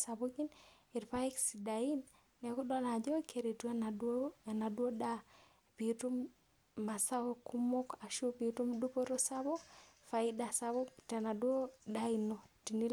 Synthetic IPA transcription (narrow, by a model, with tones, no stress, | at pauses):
sa˨boki˦n | i˨ɾpa˦i˦ksi˨da˨i˦nː | ɛ˨ku˦dɔ˦na˨d͡ʒɔ˦kʰe˨ɾe˨twe˦na˨do˦ɛ˨na˨dwo˦da˦ | pi˨tu˦mː | a˨sa˦wo˦ku˦mo˦ka˨ʃu˦pi˨tu˦mdu˦po˦ɾo˦sa˦bo˦fa˨ida˨sa˦bɔ˦tɛ˨na˨dwo˦da˦i˨no˨ti˨ni˦l